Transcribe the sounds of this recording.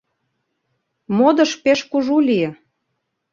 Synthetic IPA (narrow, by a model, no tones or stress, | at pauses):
mod̪ə̆ʃpeʃkuʒulʲijĕ